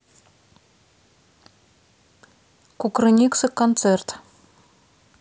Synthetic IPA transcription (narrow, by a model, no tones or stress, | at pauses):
kukrɨnʲiksɨkːont̪sert̪